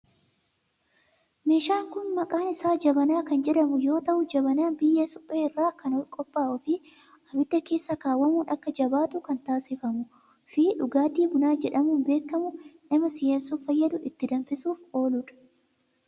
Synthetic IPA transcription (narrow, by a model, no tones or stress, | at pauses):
me̞ːʃaːŋkʊnmɐkʼaːnɪsaːd͡ʒɐbɐnaːkɐnd͡ʒɛᶑɐmʊjo̞ːt̪ɐʔʊd͡ʒɐbɐnaːnbɪjːesʊ̥pʼːeːɪrːaːkɐnɔkʼɔpʼːaːʔɔfɪ | ɐbɪd̪ːɐke̞ːsːakaːwːɐmuːnʔɐkːɐd͡ʒɐbaːt̪ʊkɐnt̪aːsɪfɐmʊ | fiːᶑʊɡaːt̪iːbʊnaːd͡ʒɛᶑɐmuːnbe̞ːkːɐmʊnɐmɐsɪjɐnsʊːfɐjːɐd̪ʊʔɪt̪ːɪd̪ɐnfɪsuːfo̞ːlʊᶑɐ̥